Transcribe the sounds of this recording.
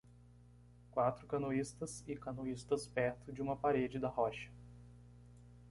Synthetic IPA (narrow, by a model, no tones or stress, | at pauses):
kwat̪ɾʊkɐnoist̪ɐsɪkɐnoist̪ɐspɛɾt̪ʊd͡ʒɪũmɐpaɾed͡ʒɪd̪ɐhɔʃɐ̥